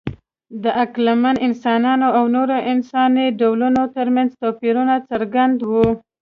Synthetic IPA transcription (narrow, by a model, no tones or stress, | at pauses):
d̪əʔaklamanɪnsɑnɑnoawnoɾoʔɪnsɑniɖawlunot̪əɾmanzt̪ɑpiɾunat͡saɾɡand̪wu